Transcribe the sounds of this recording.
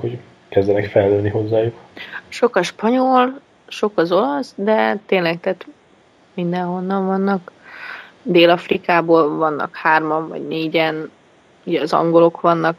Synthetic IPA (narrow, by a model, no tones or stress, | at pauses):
ho | kɛzɟɛnɛkfɛlːøːnːiɦo̞zːaːjukʃo̞kɒʃpɒɲol | ʃo̞kɒzo̞lɒsd̪ɛt̪eːnlɛkt̪ɛt̪ | mind̪ɛnɦo̞nːɒɱvɒnːɒk | d̪eːlɒfrikaːboːlvɒnːɒ̰khaːrmɒɱvɒ̰ɟneːɟɛn | uɟɛɒzɒ̰ŋɡo̞lo̞kʋɒnːɒk